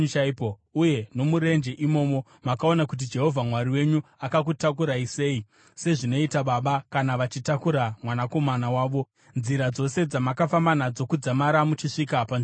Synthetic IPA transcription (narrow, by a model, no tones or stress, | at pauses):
aipouje̞no̞muɾe̞nd͡ʒeʔimo̞ːmo̞ | makao̞nakut̬id͡ʒe̞ɦo̞vʱamwaɾiwe̞ɲuakakutakuɾaise̞ːi | se̞ʐino̞itaɓaɓakanaʋat͡ʃitakuɾamwanako̞manawaːʋo̞ | nziɾad͡zo̞se̞d͡zamakafamanad͡zo̞kud͡zamaɾamut͡ʃiʂikapa